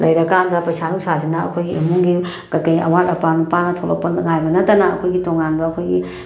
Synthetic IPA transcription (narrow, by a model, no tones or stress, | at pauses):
lʔɐjɾɐkandɐpɐjsanuwsazinɐɐ̰kʰojɡiʔimuŋɡi | ɡ̥ɐkɐjɐ̰wanɐpanupanɐtʰolo̰k̚pɐŋajbɐnɐtːɐnɐɐ̰kʰojɡitoŋanbɐɐkʰojɡḭ